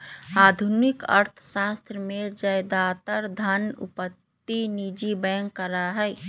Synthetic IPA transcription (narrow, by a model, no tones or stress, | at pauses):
aːd̪ʱunɪkə̰ɾt̪ʰʃaːst̪ɾəmed͡ʒəjd̪aːt̪əɾd̪ʱənʊ̰pət̪ːinid͡ʒibɛːŋɡəɾaɦɛː